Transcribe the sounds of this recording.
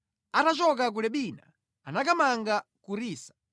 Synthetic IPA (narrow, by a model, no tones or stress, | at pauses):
atat͡ʃɔk̬ak̬ulɛɓiːna̰ | anakamaŋɡakuɾiːsḁ